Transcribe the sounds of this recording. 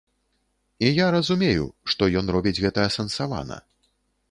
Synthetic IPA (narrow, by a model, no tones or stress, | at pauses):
ijaɾɐzumʲejṵʂt̪ɔjɔnrɔbʲid͡zʲɣɛt̪ɐɐsɐnsava̰nɐ̰